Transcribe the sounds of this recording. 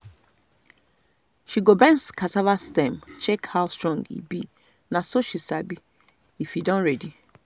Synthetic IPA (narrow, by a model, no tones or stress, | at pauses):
ʃiɡobɛ̃nskʰatavastɛ̃mt͡ʃɛkhaʊstɹɔ̃ŋɡḭbi | nasoʃisabi | ifidɔ̃nɹɛdi